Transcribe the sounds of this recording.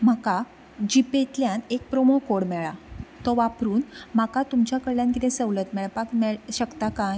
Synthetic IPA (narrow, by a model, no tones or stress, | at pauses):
m̤aka | d͡ʑipet̪ljanek̚pɾomokoɽmɛɭat̪ɔʋapɾuːnm̤akat̪umt͡ɕjakəɽljãnkit̪ʰɛ̃səʋlət̪mɛɭpakmɛɭɕəkt̪akãj